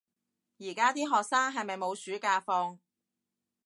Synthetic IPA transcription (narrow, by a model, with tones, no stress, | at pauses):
jiː˨˩kaː˥t̪iː˥ɦɔː˨k̚saː˥ŋɦɐ˨jmɐ˨jmo˨˧wsyː˨˥kaː˧fɔː˧ŋ